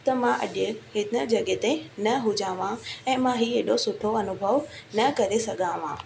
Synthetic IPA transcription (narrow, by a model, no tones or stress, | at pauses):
t̪ɐmãʔɐ̰ʄɪɦɪnə̆d͡ʑɐɠet̪ẽnɐɦʊd͡ʑãːʋãɛ̃ːmãɦiːeːɗosʊʈʰoɐnʊbʱəʋnɐkɐɾesɐɠʱãʋã̰ː